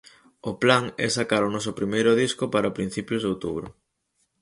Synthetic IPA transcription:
ʊplaŋɛ̰sakaɾʊnɔsʊpɾimejɾʊðiskʊpaɾapɾin̟θipjʊzðowt̪ṵβɾʊ̰

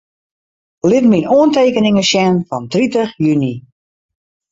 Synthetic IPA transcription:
lɪtminoənteːkənɪŋəʃjɛnfɔntritəxjyni

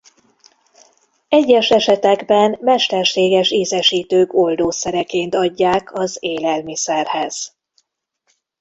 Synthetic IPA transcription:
ɛɟːɛʃɛʃɛt̪ɛɡbɛnmɛʃt̪ɛrʃeːɡɛʃiːzɛʃiːt̪øːko̞ld̪oːsɛɾɛkeːnt̪ɒɟːaːkʰɒzeːlɛlmisɛrhɛz̥

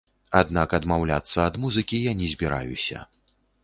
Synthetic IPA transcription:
ad̪nakɐd̪mawlʲat̪sːɐːd̪muzɨkʲijanʲɛzʲbʲiɾa̰jusʲɐ̰

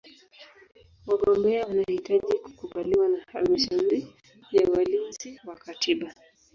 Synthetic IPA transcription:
waɠɔmbɛawanahitaʄiku̥kuɓaliwanaha̰lmaʃauɾi | jawalinziwakatʰiɓa

